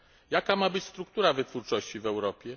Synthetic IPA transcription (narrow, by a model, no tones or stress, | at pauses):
jakamabɘt͡ɕst̪ɾuk̚t̪uɾavɘt̪fuɾt͡ʂɔɕt͡ɕivɛwɾɔpʲjɛ